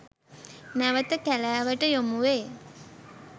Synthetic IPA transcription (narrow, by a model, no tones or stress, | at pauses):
næʋət̪əkælaːʋəʈəjomuʋe